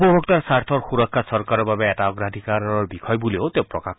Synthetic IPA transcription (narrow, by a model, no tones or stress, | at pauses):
pɔbʱɔk̚taɹsaɾt̪ʰɔɹxuɾɔkʰːasɔɾkaɾɔbabeːtaɔɡɾad̪ʱikaɾɔɹbikʰɔjbuleot̪ewpɹɔka